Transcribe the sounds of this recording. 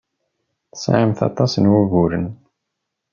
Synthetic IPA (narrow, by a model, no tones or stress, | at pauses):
θə̥sʕəmθɑ̰t̪ˤɑsnwuɣuɾən